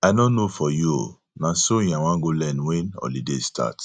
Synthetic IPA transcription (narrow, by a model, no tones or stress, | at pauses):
aɪnõnofɔjuo̰ | nãsoĩj̃ãw̃ãɡolɛnwɛnɔ̰lidestʰa̰t